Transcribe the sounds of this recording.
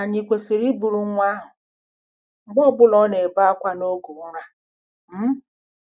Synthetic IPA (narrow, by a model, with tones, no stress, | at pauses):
a˨ɲi˨kʷe˨si˨ɾi˦bu˨ɾu˨˦ŋʷa˦ɦʊ˨ | ŋ͡m̩˦ɡ͡bɔ˦bʊ˦lɔ˦ne˨ba˦a˦kʷa˦no˦ɡu˨˦ɾa˦ | m̩˦